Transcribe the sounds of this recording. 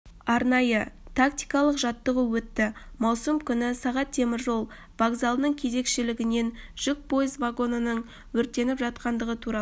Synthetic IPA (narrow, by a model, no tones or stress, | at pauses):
ɑɾnɑjət̪ʰak̚t̪ijkɑlˠəqʒɑt̪ːəʁəwɵt̪ːɪmɑwsəmkʲʰʏnɪsɑʁɑt̪ʰːe̞mɪɾʒo̞lˠ | vaɡzalˠnəɴkʲʰe̞ze̞kʃɪlɪɡʲɪne̞nʒ̥ʏk̚pʰo̞jəzvaɡo̞nənəɴ | wɵɾt̪ːe̞nɪpʒɑt̪̚qɑnd̪əʁət̪ʰuɾɑ